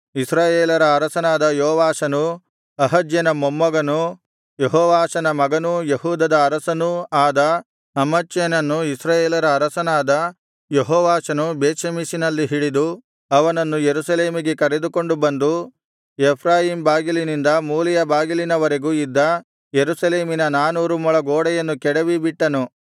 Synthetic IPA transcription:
isɾaːjeːlɐɾɐːɾɐsɐnaːd̪ɐjoːʋaːʃɐnu | ɐɦɐd͡ʒjɐnɐmomːɐɡɐnu | jeɦɔːʋaːʃɐnɐmɐɡɐnujeɦuːd̪ɐd̪ɐːɾɐsɐnuaːd̪ɐ | ɐmɐt͡ʃːjɐnɐnːuisɾaːjeːlɐɾɐːɾɐsɐnaːd̪ɐ | jeɦɔːʋaːʃɐnubeːʃɐmisinɐlːiɦiɽid̪u | ɐʋɐnɐnːujeɾusɐle̞ːmiɡe̞kɐɾed̪uko̞ɳɖubɐnd̪u | epʰɾaːjimbaːɡilinind̪ɐmuːlijɐbaːɡilinɐʋɐɾeɡuːid̪ːɐ | jeɾusɐle̞ːminɐnaːnuːɾumuɭɐɡoːɽɐjɐnːukɛɽɐʋibiʈːɐnu

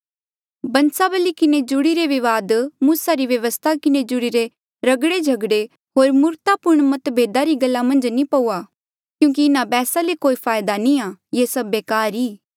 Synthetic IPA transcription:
bɐ̃nsabəlikɪned͡ʒʊɽiɾeʋɪʋaːd̪muːsaɾiʋjɐʋəst̪ʰakɪned͡ʒʊɽiɾe | ɾɐɡɽed͡ʒʱɐɡɽe | ɦoːɾmʊɾt̪apʊɾɳ̃mɐt̪bʱeːd̪aɾiɡɐlːamɐ̃nd͡ʒnĩpɐuːa | kjũːk̬iɪnabɛːsalekoːipʰaːjd̪anĩajesɐbːeːkaːɾiː

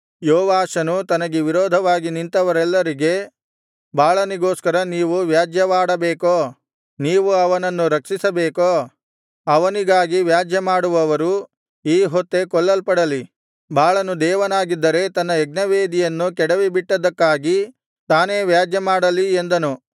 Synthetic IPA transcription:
jɔːʋaːʂɐnut̪ɐnɐɡeʋiɾɔːd̪ʱɐʋaːɡinint̪ɐʋɐɾɛlːɐɾiɡe̞ | bʱaːɭɐniɡoːskɐɾɐniːʋuʋjaːd͡ʒjɐʋaːɽɐbeːkoː | niːʋuɐʋɐnɐnːuɾɐkʂisɐbeːkoː | ɐʋɐniɡaːɡiʋjaːd͡ʒjɐmaːɽuʋɐʋɐɾu | iːɦot̪ːe̞kɔɭːɐlpɐɽɐli | bʱaːɭɐnud̪ɛːʋɐnaːɡid̪ːɐɾe̞t̪ɐnːɐɛɡ̚nɐʋeːd̪ijɐnːukɛɽɐʋibiʈːɐd̪ɐkːaːɡi | t̪aːne̞ːʋjaːd͡ʒjɐmaːɽɐliend̪ɐnu

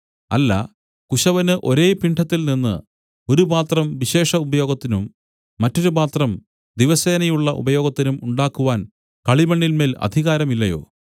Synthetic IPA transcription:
ɐ̰lːɐ̰ | kuɕɐʋɐnɨʔo̞ɾe̞ːpiɳʈʰɐt̪ːilninːɨ̰ | o̞ɾupaːt̪rɐmʋiɕe̞ːʂɐubɐjo̞ːɡɐt̪ːinumː | ɐtːo̞ɾupaːt̪rɐm | d̪iʋɐse̞ːnɐjuɭːɐʔṵbɐjo̞ːɡɐt̪ːinumuɳɖaːkːuʋaːn | kɐɭimɐɳːilme̞ːlɐ̰d̪ʱiɣaːɾɐmilːɐjo̞̰ː

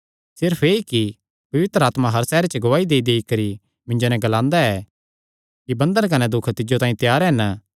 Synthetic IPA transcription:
sɪɾpʰeːiki | pɐʋɪt̪ɾəaːt̪maɦɐɾsɛːɾet͡ʃɡʊʋaːid̪eːid̪eːikɐɾi | mɪ̃ɲd͡ʒonɛ̃ɡɐlãːnd̪aɛ | kibɐ̃nd̪ənk̬ɐnɛd̪ʊkʰt̪ɪd͡ʒot̪ãːĩt̪jaːɾɛn

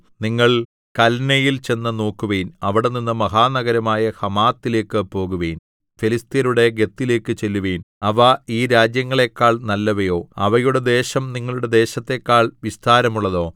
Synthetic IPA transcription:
niŋːɐɭ | kɐlnɐjilt͡ɕe̞nːɐno̞ːkːuʋejnɐʋiɽeninːɨmɐɦaːnɐɣɐɾɐmaːjɐhɐmaːt̪ːile̞ːkːɨpo̞ːɣuʋeːn | felist̪ijɐɾuɽe̞ɡe̞t̪ːile̞ːkːɨt͡ɕe̞lːuʋeːn | ɐʋɐiːɾaːd͡ʑjɐŋːɐɭe̞kːaːɭnɐlːɐʋɐjo̞ːɐʋɐjuɽe̞d̪e̞ːɕɐmniŋːɐɭuɽe̞d̪e̞ːɕɐt̪ːe̞kːaːɭʋist̪ʰaːɾɐmuɭːɐðo̞ː

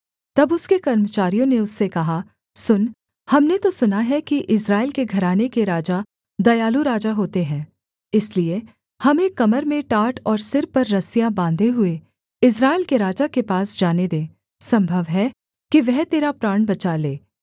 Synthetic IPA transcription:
t̪ɐbʊskekɐɾmət͡ʃaːɾijõneʊsːekɐɦa | sʊn | hɐmnet̪osʊnaɦɛkiʔɪsɾaːɪlkeɡʱɐɾaːnekeɾaːd͡ʒa | d̪ɐjaːluɾaːd͡ʒaɦoːt̪eɦɛ̃ː | ɪslie | hɐmẽkɐməɾmẽʈaːʈɔːɾsɪɾpɐɾːɐsijabãːnd̪ʱeɦʊe | ɪs̬ɾaːɪlkeɾaːd͡ʒakepaːsd͡ʒaːned̪ẽː | sɐ̃mbʱəʋɦɛ | kiʋɛɦt̪eːɾapɾaːɳbɐt͡ʃaleː

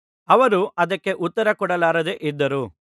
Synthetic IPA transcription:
ɐʋɐɾuʔɐd̪ɐkːe̞ʔut̪ːɐɾɐkɔɽɐlaːɾɐd̪eʔid̪ːɐɾu

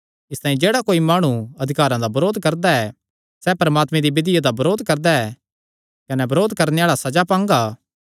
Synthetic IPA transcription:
ɪst̪ãːĩd͡ʒeːɽakoːimaːɽ̃uɐd̪ʱɪkaːɾãd̪abɐɾoːd̪ʱkɐɾd̪aɛ | sɛpɐɾɐmaːt̪mẽd̪ibɪd̪ɪjad̪abɐɾoːd̪kɐɾd̪aɛ | kɐnɛbɐɾoːd̪kɐɾneaːɭasɐd͡ʒapãːŋɡaː

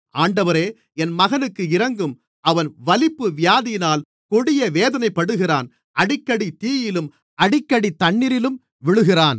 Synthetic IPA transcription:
aːɳɖɐʋɐɾeː | ɛnmɐɣɐnɯkːɯɪɾɐŋɡɯm | ʔɐʋɐnʋɐlɪpːɯʋɪjaːðɪjɪnaːl | kɔɽɪjɐʋeːðɐnɐɪpːɐɽɯɣɪraːn | ʔɐɽɪkːɐɽit̪iːjɪlɯm | ʔɐɽɪkːɐɽit̪ːɐɳːɪɾɪlɯm | ʋɪɭɯɣɪraːn

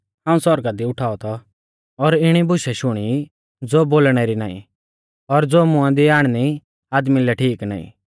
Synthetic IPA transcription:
ɦãːũsɔɾɡad̪iʊʈʰaːɔt̪ʰɔ | ɔɾɪɽ̃ibʊʃɛʃʊɽ̃i | d͡zoːboːlɽ̃ɛɾina̰ːḭ̃ | ɔɾd͡zoːmʊ̃ãd̪iaːɽ̃ni | aːd̪milɛʈʰiːkna̰ːḭ̃

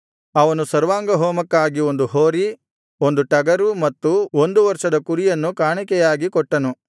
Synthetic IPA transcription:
ɐʋɐnusɐɾʋaːŋɡɐɦoːmɐkːaːɡio̞nd̪uɦoːɾi | o̞nd̪uʈɐɡɐɾumɐt̪ːuo̞nd̪uʋɐɾʂɐd̪ɐkuɾijɐnːukaːɳikɛjaːɡikɔʈːɐnu

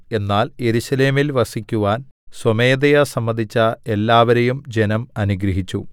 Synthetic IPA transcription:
e̞nːaːlje̞ɾuɕɐle̞ːmilʋɐsikʲːuʋaːnswɐme̞ːd̪ɐjɐsɐmːɐnd̪ʱit͡ɕːɐe̞lːaːʋɐɾejumd͡ʑe̞nɐmɐnuɡɾɐɦit͡ɕːu

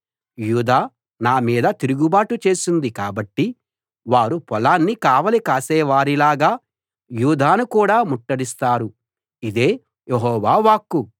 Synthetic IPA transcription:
juːd̪aː | naːmiːd̪ɐt̪iɾuɡubaːʈut͡ʃe̞ːsund̪ikaːbɐʈːi | ʋaːɾupɔlaːnːikaːʋɐlikaːsɛːʋaːɾilaːɡaː | juːd̪aːnukuːɽaːmuʈːɐɽist̪aːɾu | id̪e̞ː | jeɦɔːʋaːʋaːkːu

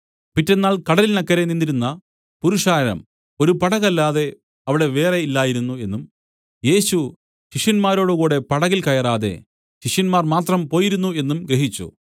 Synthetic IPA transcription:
pitːe̞nːaːɭkɐɽɐlilnɐkːɐɾeninːiɾunːɐ | puɾuʂaːɾɐɾɐ̰m | o̞ɾupɐɽɐɣɐlːaːðe̞ | ɐʋiɽe̞ʋe̞ːre̞ilːaːjiɾunːue̞nːum | je̞ːɕu | ɕiʂjɐnmaːɾo̞ːɽuɣuːɽe̞pɐɽɐɣilkɐjɐraːðe̞̰ | ɕiʂjɐnmaːrmaːt̪rɐmpo̞ːjiɾunːue̞nːumɡɾeɦit͡ɕːṵ

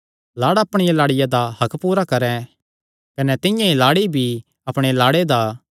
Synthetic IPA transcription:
laːɽaɐpɽ̃ɪjalaːɽɪjad̪ahɐkpuːɾakɐɾɛ̃ | kɐnɛt̪ɪ̃jãilaːɽibʱi | ɐpɽ̃elaːɽed̪aː

